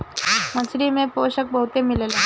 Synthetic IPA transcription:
məsɾimepoɕək̚bəwt̪emilele

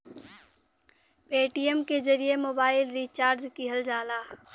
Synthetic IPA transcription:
peːʈiəmkezɐɾiemoːbaːɪlɾiːt͡ʃaːɾd͡ʒkiɦəld͡ʒaːlaː

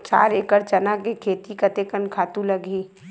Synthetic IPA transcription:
t͡ʃa̰ːɾeːkəɾt͡ʃɐnakekʰeːt̪ikɐt̪ekənkʰaːt̪ulɐɡiː

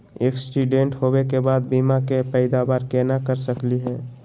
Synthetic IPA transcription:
eːksʈuɖẽɳʈhowekebaːd̪biːmakepɛɪd̪abaːɾkeːnakəɾsəkliɦɛ̃ː

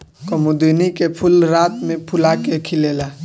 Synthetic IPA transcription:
komud̪iːnikepʰʊlɾaːt̪mẽpʰʊlaːkekʰɪleːlaː

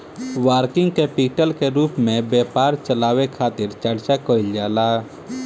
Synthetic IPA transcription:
waːɾkɪ̃ŋɡ̚kepiːʈəlkeɾuːpmẽbjɛːpaːɾt͡ʃəlaːwekʰaːt̪ɪɾt͡ʃəɽt͡ʃakəɪld͡ʒaːlaː

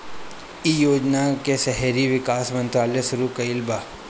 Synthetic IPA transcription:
ijoːd͡ʒnakesɛɦɾiʋɪkaːsmə̃nt̪ɾaːljəsʊɾukɐɪlbaː

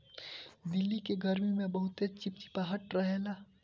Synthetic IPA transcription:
d̪ɪlːikeɡɐɾmimẽbɐɦʊt̪et͡ʃɪpt̪i̥paːɦəʈɾɐɦelaː

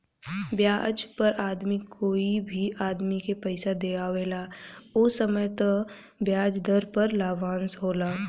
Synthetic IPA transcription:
bjaːd͡ʒpɐɾaːd̪mikʰoːibʱiʔaːd̪mikepɛɪsad̪eaːʋeːlaːoːsəməjt̪ə | bjaːd͡ʒd̪ʱəɾpɐɾlaːʋãːnsɦoːlaː

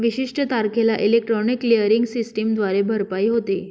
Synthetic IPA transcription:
ʋiɕiʂʈət̪aɾkʰelaʔilek̚ʈɾɔniklijəɾiŋɡsisʈimd̪ʋaɾebʱəɾpaiːɦot̪e

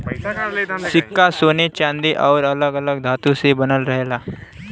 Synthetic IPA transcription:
sɪkːasoːnet͡ʃãːnd̪eʔɔːɾələɡələɡ̚d̪ʱaːt̪usebənəlɾəɦeːlaː

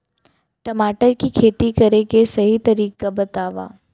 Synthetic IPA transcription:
ʈəmaːʈəɾkikʰeːt̪ikəɾekesɐɦit̪ɐɾiːkabɐt̪aːʋa̰ː

